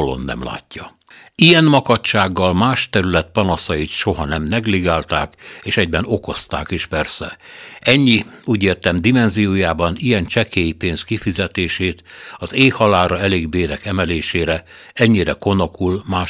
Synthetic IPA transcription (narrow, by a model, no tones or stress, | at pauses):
olo̰nːɛ̰mla̰ːcːɒ | ijɛnmɒkɒtt͡ʃaːɡːɒlmaːʃt̪ɛɾylɛt̪̚pɒnɒsɒjit̪ʃo̞ɦɒnɛmnɛɡliɡaːlt̪aːkeːʃɛɟbɛno̞ko̞st̪a̰ːkiʃpɛrsɛɛɲːiuːɟeːrt̪ɛmd̪imɛnzijoːjaːbɒnijɛnt͡ʃɛkeːjipeːnskifizɛt̪eːʃeːt̪ɒzeːhɒlaːɾɒɛleːɡbeːɾɛkɛmɛleːʃeːɾɛ | ɛɲːiɾɛko̞no̞kulmaː